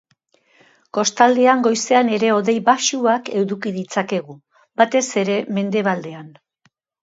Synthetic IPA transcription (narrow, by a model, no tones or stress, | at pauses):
ko̞st̪ald̪e̞aŋɡo̞jse̞ane̞ɾe̞o̞ðe̞jβaʃuake̞wðukiðit͡sake̞ɣ̞u | bat̪e̞se̞ɾe̞me̞nd̪e̞βald̪e̞an